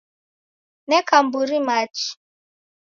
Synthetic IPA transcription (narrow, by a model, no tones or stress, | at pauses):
nɛkam̩buɾimat͡ʃi̥